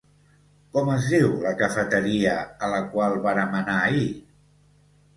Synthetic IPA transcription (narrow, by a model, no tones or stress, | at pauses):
kɔməzðiwləkəfət̪əɾiəələkwalˠβanəmənai